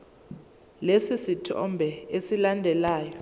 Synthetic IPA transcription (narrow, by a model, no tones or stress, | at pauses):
lesisitʰɔ̰mbʱɛesilandʱɛlaːjɔ